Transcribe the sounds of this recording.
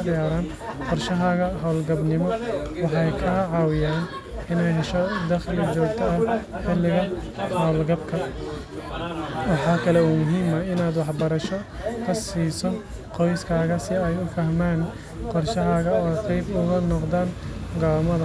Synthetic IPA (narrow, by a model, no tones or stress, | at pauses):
d̪ɪjaːɾaːn | qɔrʃɐɦaːɣɐɦɐwlɡɐbnɪmɔwɑħɑjkʰɐʕɑːwɪjaːn | ɪnɛjɦɛʃɔd̪ɐχlɐd͡ʒɔːɡt̪ʰɐɐhħɪlːɪɣɐ | hɐwlɡɐbkʰɐ | wɑħɑːkʰɐlɛuːmʊɦiːmɐɪnaːd̪wɑħbɐɾɐʃɔkʰɐsiːsɔqɔjskʰaːɣɐsɪɛjʊfɐhmaːn | qɔrʃɐɦaːɣɐɔːqɛjbʊɣɐnɔqd̪aːnɡaːmɐðɐ